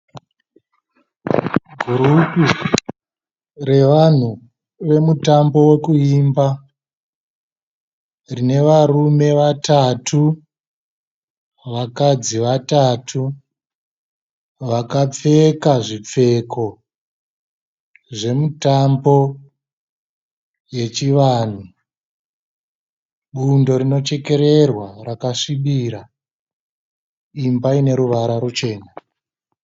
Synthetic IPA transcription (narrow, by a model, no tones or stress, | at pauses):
ɡʱuɾupi | re̞ʋan̤u | ʋe̞mutambo̞we̞kuiːmba | rine̞ʋarume̞ʋatatʰu | ʋakad͡ziʋatatʰu | ʋakap͡fe̞kaʐip͡fe̞kʰo̞ | ʐe̞mutambo̞ | je̞t͡ʃiʋan̤u | ɓundo̞ɾino̞t͡ʃe̞ke̞ɾe̞rwarakaʂiɓiɾa | imbaine̞ɾuʋaɾaɾut͡ʃe̞ːna